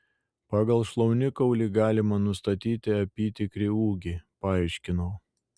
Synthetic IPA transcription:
pɑːɡɐlˠʃlˠɐʊnʲɪkɐʊlʲiːɡɑːlʲɪmɐnʊst̪ɐt̪ʲiːt̪ʲɪɐpʲiːt̪ʲɪkɾʲɪuːɡʲipɐɑːɪʃʲkʲɪnɐʊ

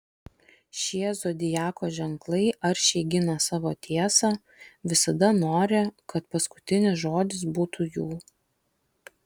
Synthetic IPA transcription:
ʃʲiɛzod̪ʲɪjæːkoːʒʲɛŋklˠɐɪʔɐɾʃʲɛɪɡʲɪnɐsɑːʋoːt̪ʲʰiɛsɑ | ʋʲɪsɐd̪ɐnoːɾʲɪkɐt̪pɐskʊ̥t̪ʲɪnʲɪsʒoːd̪ʲɪs̬buːt̪ʰujuː

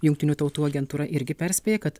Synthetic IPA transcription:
jʊŋkt̪ʲɪnʲuːt̪ɒʊt̪uːɐɡʲɛnt̪uːɾɐʔɪɾʲɡʲɪpʲæɾʲsʲpʲeːjɛːkɐt̪

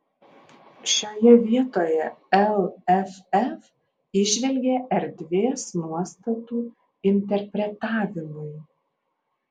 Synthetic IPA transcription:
ʃʲoːjɛʋʲiɛt̪oːjɛɛlˠɛfɛf | ɪʒʲʋʲɛlʲɡʲeʔɛɾd̪ʲʋʲeːsnuɔst̪ɐt̪uː | ɪnʲt̪ʲɛɾʲpʲɾʲɛt̪ɑːʋʲɪmʊj

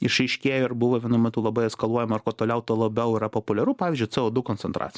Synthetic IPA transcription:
ɪʃɐɪʃʲkʲeːjoɪɾbʊʋɐʋʲiɛnʊmɛt̪uːlˠɐbɐɪɛskɐlˠuɔjɛmɐɐrkoːt̪oːlʲɛʊt̪oɔlˠɐbʲɛʊɪɾɐpopʊlʲɛɾuːpɑːʋʲːzʲd͡ʒʲʊɪt͡s̪ɛoːd̪ʊkoːnʲɛnt̪ɾɑ̰ːt̪t͡sʲj

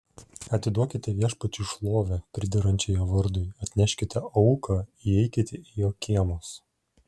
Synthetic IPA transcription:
ɐt̪ʲɪd̪uɔkʲɪt̪ʲɛʋʲiɛʃpɐt͡ʃʲʊʃlˠoːʋʲɛpʲɾʲɪd̪ʲɛɾɐnʲt͡ʃʲɛjoːʋɐɾd̪ʊɪɐt̪ʲnʲæʃʲkʲɪt̪ʲɛɐʊkʰɐiɛɪkʲɪt̪ʲɛijoːkʲiːɛmoːs

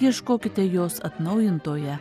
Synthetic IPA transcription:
iɛʃkoːkʲɪt̪ʲɛjoːsɐt̪nɐʊjɪnt̪oːjɛ

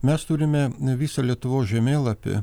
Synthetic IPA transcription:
mʲɛst̪uːɾʲɪmʲɛʋʲiːsɐlʲiɛt̪ʊʋoːsʒʲɛmʲeːlˠɐpʲɪ̰

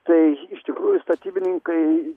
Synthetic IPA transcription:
t̪ɐɪɪʃt̪ʲɪkɾuːjʊst̪ɐt̪ʲiːbʲɪnʲɪŋkɐɪ

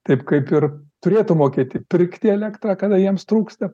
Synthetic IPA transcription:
t̪ɐɪpkɐɪpɪrt̪ʊɾʲeːt̪ʊmoːkʲeːt̪ʲɪpʲɪrʲkt̪ʲɪɛlʲæːkt̪rɑːkɐd̪ɐjiɛmst̪ɾuːkst̪ɐ

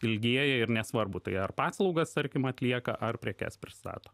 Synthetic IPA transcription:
ɪlʲɡʲiɛjɛɪɾnʲɛsʋɐrbʊt̪ɐɪɐrpɑːslˠɒʊɡɐst̪ɐɾʲkʲɪmɐt̪ʲlʲiɛkɐ̰ʔɐrpʲɾʲiɛkʲɛ̰spʲɾʲɪst̪ɑ̰ːt̪oː

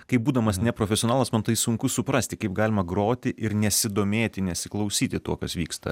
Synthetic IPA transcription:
kɐɪp̚buːd̪ɐmɐsnʲɛpɾoːfʲɛsʲɪonɑːlˠɐsmɐnt̪ɐɪsʊŋkʊsʊpɾɐsʲt̪ʲɪkɐɪp̚ɡɑːlʲɪmɐɡɾoːt̪ʲɪʔɪɾnʲɛsʲɪd̪oːmʲeːt̪ʲɪnʲɛsʲɪklˠɐʊsʲiːt̪ʲɪt̪uɔkɐsʋʲiːkst̪ɐ̰

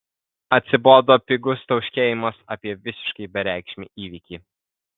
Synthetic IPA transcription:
ɐt̪ʲsʲɪboːd̪oːpʲɪɡʊst̪ɐʊʃʲkʲeːjɪmɐsɐ̰ːpʲiɛʋʲɪsʲɪ̥ʃkɐɪbʲɛɾʲæˑɪkʃʲmʲḭːˑʔiːʋʲiːˑkʲiː

